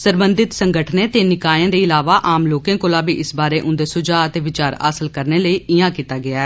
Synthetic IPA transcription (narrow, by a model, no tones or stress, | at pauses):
səɾbənd̪ɪt̪səŋɡəʈʰnẽːt̪eːnɪkaːjãːd̪eːɪlaːʋaːʔaːmloːkẽːkoːlaːbiːʔɪsbaːɾeːʔʊ̃nd̪eːsʊd͡ʒaːət̪eːʋɪt͡ʃaːɾa̰ːsəlkəɾneːləiːɪjãːkiːt̪aːɡɪaːɛː